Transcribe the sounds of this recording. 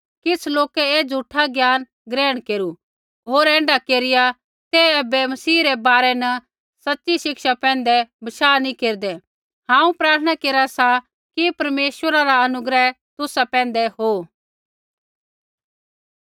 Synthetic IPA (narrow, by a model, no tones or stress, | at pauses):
kɪt͡sʰloːkɛeːd͡zʱuʈʰaɡjaːn | ɡɾɛ̃ːɽ̃keːɾu | ɦoːɾɛ̃ːɳɖakeːɾɪja | t̪ɛɛːbɛmɐsiːɾɛbaːɾɛnɐ | sɐtːʃiʃɪkʃapɛ̃ːnd̪ɛbɐʃaːnĩkeːɾd̪ɛ | ɦãːũpɾaːɾt̪ʰəɽ̃akeːɾasa | kipɐɾmeːswəɾaɾaɐnʊɡɾɛ | t̪ʊsapɛ̃ːn̆d̪ɛɦo